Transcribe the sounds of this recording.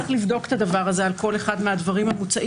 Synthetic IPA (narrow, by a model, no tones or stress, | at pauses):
χlivd̪o̞ke̥t̪ad̪avaʁaze̞alko̞le̞χad̪mead̪vaʁimhamut͡saʔ